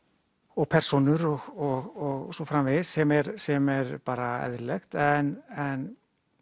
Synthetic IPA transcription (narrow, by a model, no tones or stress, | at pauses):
ɔɣpʰɛr̥sɔnʏɾɔɣɔɣɔɣsɔfɾamvɪðsɛmɛɾsɛmɛɾpaːɾaɛ̰ðɾlɛxt̪ɛnɛn